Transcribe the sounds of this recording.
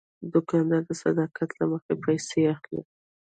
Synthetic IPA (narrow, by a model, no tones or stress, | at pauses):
d̪ʊkɑnd̪ɑd̪əsad̪ɑkʰat̪laməxepajseaxlḛ